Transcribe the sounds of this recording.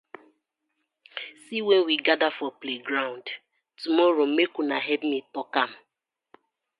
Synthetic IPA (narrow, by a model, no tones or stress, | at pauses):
siwɛnwiɡadafɔpleɡɾaʊ̃nd | tumɔɾomekunaɦɛpmitɔkam̩